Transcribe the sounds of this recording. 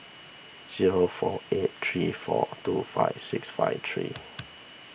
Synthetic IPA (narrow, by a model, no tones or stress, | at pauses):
z̥iɹofɔet̚tʰɹifɔ̰tufaɪvsɪksfaɪvt̪ʰɹḭ